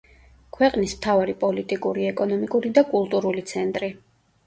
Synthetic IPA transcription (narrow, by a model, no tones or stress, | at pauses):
kʰwɛqʼnismt̪ʰavaɾipʼɔlit̪ʼikʼuɾiɛkʼɔnɔmikʼuɾid̪akʼulˠt̪ʼuɾulit̪sʰɛnt̪ʼɾi